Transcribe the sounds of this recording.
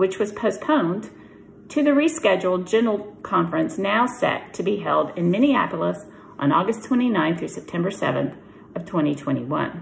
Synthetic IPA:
wɨt͡ʃwʌz̥pʰoʊspʰõʊ̃n | tʰɨðɨɹiskɛd͡ʒl̩ˠd͡ʒɛ̃nl̩ˠkʰɑ̃ɱfɹɨ̃nsnaʊsɛ̰tʰɨbiɦɛlˠdɨ̃nmɪñiæ̰pl̩ˠəs | ʔn̩ɔɡɨstʰw̥ɛ̃ɾ̃inãɪ̃nθɹʉsɛp̚tʰɛ̃mbə˞sɛ̰vɨ̰̃nθ | ʌv̥tʰw̥ɛ̃ɾ̃itʰw̥ɛ̃ɾ̃iwʌ̰̃n

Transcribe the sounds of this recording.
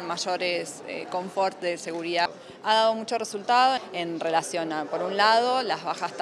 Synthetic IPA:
maʒo̞ɾesḛko̞ɱfoɾt̪ðese̞ɣuɾiða | aðaðo̞mut͡ʃo̞result̪aðoenre̞lasjonapo̞ɾunlaðo̞lazβaxast̪

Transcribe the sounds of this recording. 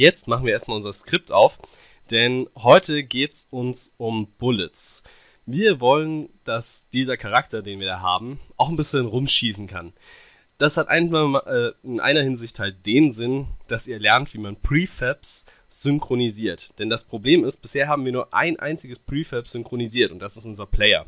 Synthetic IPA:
jɛt͡stmaχn̩viːɐeɐstmalʊnzɐskʁ̥ɪp̚taʊf | d̥ɛnɦɔʏtʰəɡeːtsʔʊnsʔʊmb̥ʊlɪt͡s | viːɐvɔlənd̥asd̥iːzɐkʰaʁ̞aktɐdeːnviːɐaːɦa̰ːbm̩ʔaʊxn̩bɪsçənʁʊmʃiːsn̩kʰa̰n | d̥ashatʔa̰ɪnmaʔɛːɪnʔa̰ɪnɐhɪnzɪçthalt̚d̥eːnzɪnd̥asiːɐlɛɐntv̥iːmanpʁ̥iːfɛps | z̥ʏŋkʁ̥oniziːɐtd̥ɛndaspʁ̥obleːmɪst̚b̥ɪsheːɐɦaːbm̩viːɐnuːɐʔa̰ɪnʔa̰ɪnt͡sɪɡəspʁ̥iːfɛpz̥ʏŋkʁ̥oniziːɐtʊntd̥asɪstʔʊnzɐpʰl̥ɛɪɐ̰

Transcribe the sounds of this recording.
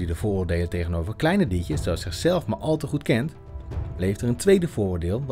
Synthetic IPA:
didəv̥ʊːɹʊːɹdejləntejχənowvəɹklɛjnədicjəssoɑsɪχsɛlˠfmaɹʔɑlˠtəχutkɛnt | lejftəɹəntʋejdəvʊːɹʊːɹdɪːlˠ

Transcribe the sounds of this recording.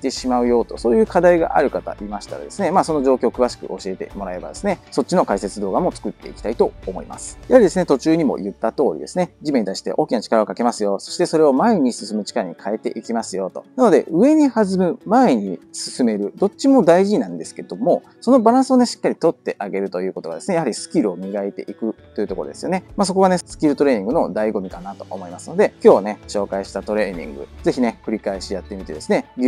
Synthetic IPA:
iit̪e̞ɕimaɯ̟jo̞ːt̪o̞̰so̞ːjɯ̟ːkad̪aiɡa̰ʔaɾɯ̟kat̪a̰ʔimaɕi̥t̪a̰ɾa̰d̪e̞sɨne̞maːso̞no̞ʑo̞ːkʲo̞ːkɯ̟βaɕi̥kɯ̟̰ʔo̞ɕie̞t̪e̞̰mo̞ɾae̞ba̰d̪e̞sɨne̞so̞tt͡ɕːino̞kaise̞t͡sɨd̪o̞ːɡamo̞t͡sɨ̥kɯ̟t̪ːe̞ikʲi̥t̪ait̪o̞ːmo̞ḭma̰sɨ̥jahaɾʲid̪esɨnet̪ot͡ɕɨːɲ̟imo̞̰jɯ̟t̪ːat̪o̞ːɾʲḭd̪e̞sɨne̞ʑime̞ɲit̪aiɕi̥t̪e̞̰ʔo̞ːkʲinat͡ɕi̥kaɾaokake̞masɨjo̞so̞̥ɕi̥t̪e̞so̞ɾe̞o̞mae̞ɲ̟isɨsɨmɯ̟t͡ɕi̥kaɾaɲ̟ikʰae̞t̪e̞̰ʔikʲimasɨjo̞t̪o̞̰nano̞d̪e̞̰ʔɯ̟e̞ɲ̟ihazɨmɯ̟mae̞ɲ̟isɨsɨme̞ɾɯ̟d̪o̞t͡ɕːɕimo̞d̪aiʑinãnd̪e̞sɨ̥ke̞d̪̥o̞mo̞ | sono̞baɾãɰ̃sɨo̞ne̞ɕi̥kːaɾʲit̪o̞t̪ːe̞ʔaɡe̞ɾɯ̟t̪o̞jɯ̟ːko̞t̪o̞ɡad̪e̞sɨne̞jahaɾʲisɨ̥kʲiɾɯ̟o̞mʲiɡaet̪e̞̰ʔikɯ̟t̪ːo̞jiɯ̟t̪o̞ko̞ɾod̪e̞sɨjo̞ne̞maːs̬o̞ko̞ɡane̞sɨ̥kʲiɾɯ̟t̪o̞ɾe̞ːɲ̟ĩŋɡɯ̟no̞d̪aiɡo̞mʲikanat̪o̞̰ʔomo̞imasɨno̞d̪e̞kʲo̞ːne̞ɕo̞ːkaiɕi̥t̪at̪o̞ɾe̞ːɲ̟ḭ̃ŋɡɯ̟̰ze̞çine̞kɯ̟ɾʲikaeɕijat̪ːe̞mʲit̪e̞d̪esɨne̞

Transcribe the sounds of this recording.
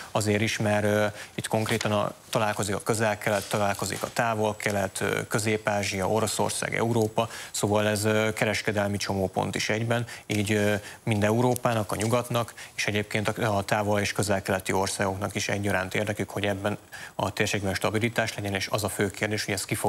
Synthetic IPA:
ɒzeːɾiʃmɛrit̪ko̞ŋkreːt̪ɒnɒ̰t̪ɒlaːlko̞zikɒkøzɛlkɛlɛt̪ːɒlaːlko̞zḭkɒ̰t̪aːvo̞lkʰɛlɛt̪ːkø̞zeːpaːʒiɒo̞ɾo̞so̰rsa̰ːɡɛ̰uɾoːpɒsoːvɒlɛzkɛɾɛʃkɛd̪ɛlmit͡ʃo̞moːpo̞̰nt̪iʃɛɟbɛniːɟmind̪ɛuɾoːpaːnɒkɒɲuɡɒt̪nɒkeːʃɛɟeːp̚keːnt̪ɒɒt̪aːvo̞leːʃkø̞zɛlkɛlɛt̪io̞rsaːɡo̞knɒkiʃɛ̰ɟːɒɾaːnt̪eːrd̪ɛkykho̞ɟɛbːɛnɒ̰t̪eːrʃeːɡbɛnʃt̪ɒbilit̪aːʃlɛɟɛneːʃɒ̰zɒføːkeːrd̪eːʃho̞ɟɛst̪̚kifo

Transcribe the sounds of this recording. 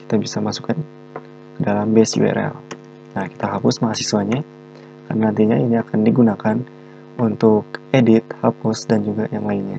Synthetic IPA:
ki̥t̪abisamasu̥kan | kədalambɛsiwḛɾa̰l | naki̥t̪aɦapʊsmaɦasisuaɲa | karnanant̪iɲainiakandiɡunakan | unt̪ʊkedit̪̚hapʊsdand͡ʒuɡajaŋlainɲa

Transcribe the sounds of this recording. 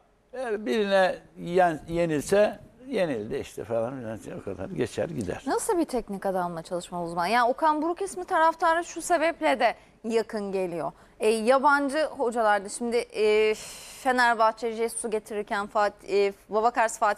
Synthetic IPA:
ejæɾbiɾinɛjænje̞nilʲsɛje̞nilʲd̪ɛiʃt̪ʰɛ̰felˠanfinant͡ʃinokʰad̪a̰nɟet͡ʃʰæ̰ɾɟid̪æ̰ɾ̥nasɯlˠbit̪ʰɛc̚nikad̪anlˠat͡ʃʰalˠɯʃmaluzmanjaːnokʰanbuɾucesmit̪ʰaɾaft̪ʰaɾaʃuse̞bɛplʲɛd̪ɛ | jakʰɯnɟe̞lʲijo̞ | ɛjaband͡ʒɯho̞d͡ʒalˠaɾd̪aʃimd̪ɪː | fe̞næɾbat͡ʃʰed͡ʒesuɟe̞t̪ʰiɾiɾcʰænfat̪ːvaβakaɾsfaːt̪

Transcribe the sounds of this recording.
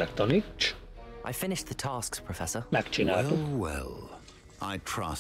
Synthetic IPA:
lɛkt̪ʰɔnit͡ʃʔa̰ɪfɪnɪʃðətʰɑːˑskspʰɹ̥əfɛsəmækt͡ʃinaːuwɛ̰lˠ | a̰ɪtʰɹ̥ʌ̰s

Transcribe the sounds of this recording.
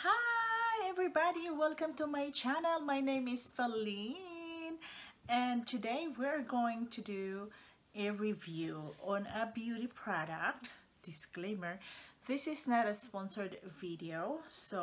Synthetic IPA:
haɛvɹibɑɾiwɛlˠkə̃mtumaɪt͡ʃænəlˠmajnẽɪ̃mɪsfɛlinɛ̃nt̪ʰɨdeɪwiɹɡoɪ̃ŋtʰɨdu | ʔɨɹivjuɔ̃nəbjuɾipʰɹɑɾə̰k̚t | d̥ɪsklẽɪ̃mə˞ðɪsɪsnaɾəspɔ̃nsəɹdvidioʊso

